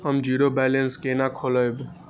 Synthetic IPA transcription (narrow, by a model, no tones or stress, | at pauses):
ɦəmd͡ʒiɾobɛlenskenakʰoləjb